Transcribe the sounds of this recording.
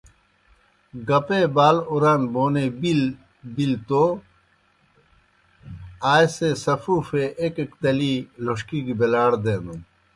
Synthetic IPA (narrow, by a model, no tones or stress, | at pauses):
ɡɐpebaːluɾanboːnebil | bilt̪o | aːjsesɐfuːfeʔekekt̪ɐliloʂkikibelaːɽd̪eːnu